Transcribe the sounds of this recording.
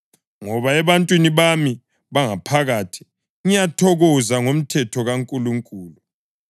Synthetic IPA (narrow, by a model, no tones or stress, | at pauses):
ŋɔβaɛβantʼwiniβami | βaŋapʰaɣaːtʰi̥ | ŋijatʰɔɣɔzaŋom̩tʰɛtʰɔɣaŋkʼuluŋkʼuːlu